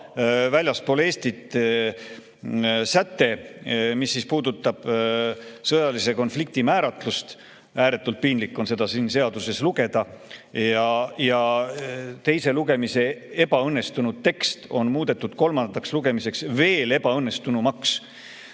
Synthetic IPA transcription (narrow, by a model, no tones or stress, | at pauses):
vælʲjɑspo̞ːleːst̪it̪ː | sæt̪ːe̞misːispuːd̪ut̪ːˑɑb̥ | sɤjɑlise̞ko̞nflik̚t̪imæːɾɑt̪lust̪ | æːɾe̞t̪ːˑult̪̚pinlikːˑo̞nse̞d̪ɑsinse̞ɑd̪̥use̞sluɡ̥e̞d̪̥ɑjɑjɑ | t̪e̞jse̞luɡe̞mise̞e̞b̥ɑɤnːe̞st̪unud̪̥̚t̪ːe̞kst̪o̞nmuːd̪̥e̞t̪ˑːud̪̥ko̞lmɑnd̪̥ɑksluɡ̥e̞mise̞ksve̞ːle̞b̥ɑɤnːe̞st̪unumɑks